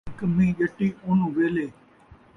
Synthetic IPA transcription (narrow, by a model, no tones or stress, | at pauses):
kəm̤ĩːʄəʈiːʊnũʋeːleː